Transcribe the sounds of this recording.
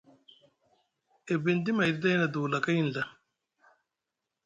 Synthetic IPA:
e˨bi˨nd̪i˦ma˨jɾd̪ɐ˦jnɐ˨d̪uː˨la˨ka˦ji˦nla˨

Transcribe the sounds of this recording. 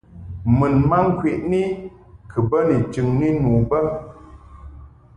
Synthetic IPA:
mɨ˨nma˦ŋ̩˦kwe˨ʔni˦ | kʰɨ˨bə˦ni˨t͡ʃɨ˨ŋni˦nuː˨bə˦

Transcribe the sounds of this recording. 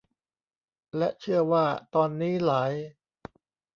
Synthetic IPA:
lɛ˦˥ʔt͡ɕʰɯ˥˩əwaː˥˩t̪ɔː˧nːiː˦˥laː˩˦j

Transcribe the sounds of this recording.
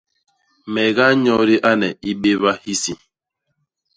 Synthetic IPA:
mɛ˨ɣa˦ɲɔ˦ɾi˦ʔa˦nɛ˨i˦ɓe˦βa˦hi˦si˨

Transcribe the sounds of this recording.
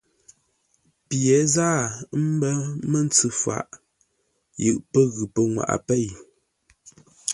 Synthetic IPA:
pjɛ˨˦zaː˦˨˦m̩˦bə˦mə˦n˦t͡sɨ˨fa̰˨ʔ | jɨ̰˨ʔpə˦ɣʉ˨pə˨ŋwa̰˨ʔa̰˨pe˦˨j

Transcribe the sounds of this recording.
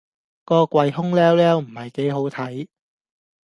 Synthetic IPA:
kɔː˧kʷɐ˧jɦʊ˥ŋlɛː˥wlɛː˦˥wm̩˨˩hɐ˨jke˨˥jɦo˨˥wt̪ʰɐ˨˥j

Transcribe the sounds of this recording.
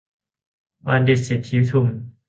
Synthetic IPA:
wa˧ndi˨˩t̪̚si˨˩t̪̚ʰːi˨˦˥t̪ʰu˧˩m

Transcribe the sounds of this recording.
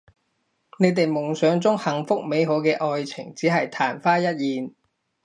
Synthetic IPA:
ne˨˧jt̪e˨jmʊ˨˩ŋsœː˨˧ŋt͡sʊ˥ŋhɐ˨˩ŋfʊ˥k̚me˨˧jɦoː˨˧˥kɛː˧ʔɔː˨˧jt͡sʰɪ̰˨˩ŋt͡siː˨˥ɦɐ˨jt̪ʰaː˨˩nfaː˥jɐ˥t̚jiː˨˧n

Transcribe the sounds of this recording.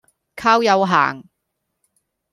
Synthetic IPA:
kʰaː˥wjɐ˨˧wɦa̰ː˨˩ŋ

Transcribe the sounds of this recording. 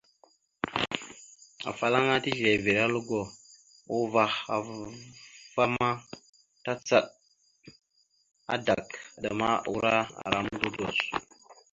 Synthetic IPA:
a̰˨fa˨la˦ŋa˦ti˦ʒe˨ve˨ɾa˦lu˦ɡo˨ | o˦va˨xa˨ | va˦ma˦ | ta˦t͡sa˦˨ɗ̚ | a̰˨da˨ka˨da˨ma˦˨u˦ɾa˦a̰˨ɾa˦mdu˦do̰˨s

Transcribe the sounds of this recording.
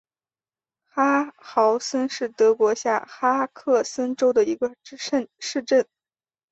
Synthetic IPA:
xa˥xɑ˧˥ʊsə˥nʂɻ̩˥˩t̪ɤ˧˥kwɔ˧˥ɕja˥˩xa˥kʰɤ˥˩sə˥nʈ͡ʂo˥ʊd̪ə˨i˧˥ɡə˧˥ə˥˧nʂɻ̩˥˧ʈ͡ʂə˥˩n

